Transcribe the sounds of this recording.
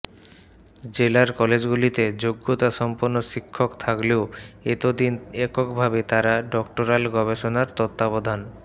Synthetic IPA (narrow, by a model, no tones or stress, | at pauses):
d͡ʑelaɾkɔled͡ʑɡulit̪ed͡ʑoɡːot̪aʃɔmpoɾnoʃikʰːokt̪ʰakleoet̪od̪inekokbʱabet̪aɾaɖɔkʈoɾalɡɔbeʃonaɾt̪ɔt̪ːabod̪ʱan